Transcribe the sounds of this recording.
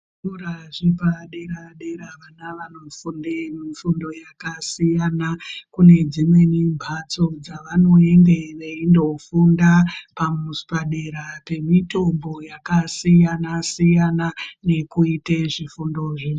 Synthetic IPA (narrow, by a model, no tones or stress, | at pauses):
uɾaʐipaɗeɾaɗeɾaʋanaʋano̞fundemifundo̞jakasijanakune̞d͡zimwe̞nimbʱat͡so̞d͡zaʋano̞e̞nde̞ʋeindo̞fundapamusu̥paɗeɾape̞mito̞mbo̞jakasijanasijanane̞kuiteʐifundo̞ʐi